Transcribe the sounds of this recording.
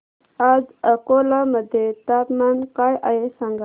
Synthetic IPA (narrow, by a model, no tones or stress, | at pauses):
azəkolaməd̪et̪aːpmankajʔajesaŋɡa